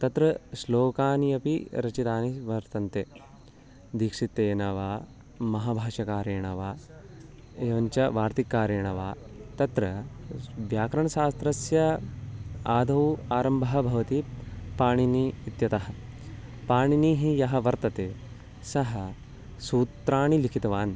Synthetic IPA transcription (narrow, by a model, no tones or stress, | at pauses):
t̪ɐt̪ɾɐsloːkaːniɐpiɾɐt͡ʃit̪aːniʋɐɾt̪ɐnt̪eː | d̪iːkʂit̪ːeːnɐʋaː | mɐɦaːbʱaːʂɐkaːɾjeːɳɐʋaː | eːʋɐɲt͡ʃɐʋaːɾt̪ikːaːɾjɐːɳɐʋaːt̪ɐt̪ɾɐ | ʋjaːkɾɐɳɐʃaːst̪ɾɐsjɐ | aːd̪ʱɐwaːɾɐmbʱɐɦɐ̆bʱɐʋɐt̪ipaːɳiniːt̪jɐt̪ɐɦɐ̆ | paːɳiniːɦijɐɦɐ̆ʋɐɾt̪ɐt̪eː | sɐɦɐ | suːt̪ɾaːɳilikʰit̪ɐʋaːn